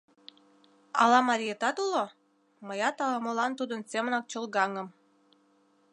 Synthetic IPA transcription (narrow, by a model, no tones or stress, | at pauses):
ɑ̰lɑmɑɾʲijet̪ɑt̪ulo | məjɑt̪ɑlˠɑmolɑnt̪ud̪ənsʲemənɑk̚t͡ɕəlˠɡɑŋəm